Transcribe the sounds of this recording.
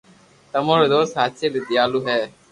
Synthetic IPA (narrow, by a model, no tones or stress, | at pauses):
t̪əmoːɾoːd̪oːsɦaːt̪selid̪ɪjaːluːɦɛː